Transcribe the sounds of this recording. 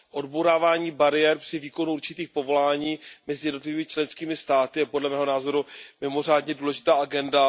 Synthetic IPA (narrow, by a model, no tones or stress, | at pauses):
ʔo̞dboɾaːvaːɲiːbaɾɪjɛɾpr̝̥ɪviːko̞nuuɾt͡ʃɪt̪iːxpo̞vo̞laːɲiːmɛzɪjɛdno̞t̪lɪviːmɪt͡ʃlɛnskiːmɪst̪aːt̪ɪjɛpodlɛmɛːɦo̞naːzo̞ɾumɪmo̞r̝aːdɲɛduːlɛʒɪt̪aːʔaɡɛnda